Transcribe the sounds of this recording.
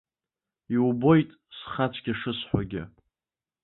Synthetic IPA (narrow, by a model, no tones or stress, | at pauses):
iwubo̞jtʼ | sχat͡ʃʷʰʼɡʲiʂɨsħʷaɡʲɪ̰